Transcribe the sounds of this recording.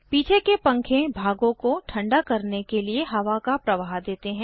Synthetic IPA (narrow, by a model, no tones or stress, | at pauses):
piːt͡ʃʰekepɐ̃ŋkʰẽbʱaːɡõkoʈʰɐ̃ɳɖakɐɾnekelieɦɐʋakapɾɐʋaːɦd̪eːt̪eɦɛ̃ː